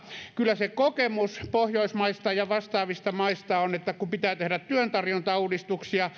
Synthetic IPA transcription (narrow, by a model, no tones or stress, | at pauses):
kylːˑæsekokemuspohjoismɑist̪ɑjɑʋɑst̪ɑːʋist̪ɑmɑist̪ɑonet̪ːækupit̪æːt̪ehɾæt̪t̪yønt̪ɑrjont̪ɑuːdist̪uksiɑ